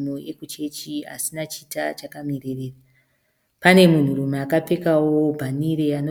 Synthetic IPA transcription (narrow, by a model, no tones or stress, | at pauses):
mojekut͡ʃe̞t͡ʃia̰sinat͡ʃitat͡ʃakamirereːra | pane̞mun̤urumaːkape̞kawobʱaniɾeano